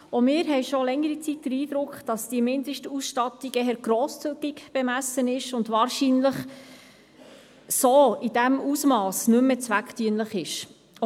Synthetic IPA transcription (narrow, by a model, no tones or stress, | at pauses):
omɪːɾɦɛɪʃolɛŋːəɾit͡sit̚d̥əɾiːd̥̪ɾʊkχd̥ɑsd̥iəmɪnd̪əʃtusʃtɑtiɡɛɦɛɾɡ̥ɾoːst͡syɡ̥ikb̥ɛmæsənɪʃʊndʋɑːɾʃinləχ | soːid̥æmusmɑːsnʉmːət͡sʋækχtyənləχɪʃ